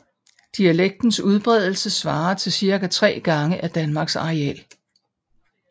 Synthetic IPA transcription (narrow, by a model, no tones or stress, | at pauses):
d̥iæleɡ̥̚d̥n̩suð̞ˠb̥ʁɛð̞ˠl̩səsʋɑ̈ːt͡sʰe̝lsiɐɡ̥æt͡sʰʁɛ̰ːɡ̥ɑ̈ŋəʔæd̥ænmɑ̈ɡ̥sɑ̈ʁɛɛ̰l